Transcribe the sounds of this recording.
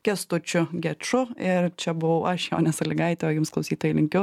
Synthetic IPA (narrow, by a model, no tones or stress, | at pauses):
kʲɛst̪ʊt͡ʃʲʊɡʲɛt͡ʃʊɪɾt͡ʃʲɛbʊʋɐʊʔɐʃjoːnʲɛsɐlʲɪɡɐɪt̪ʲɛoːjʊmsklˠɐʊsʲiːt̪oːjilʲɪŋʲkʲʊ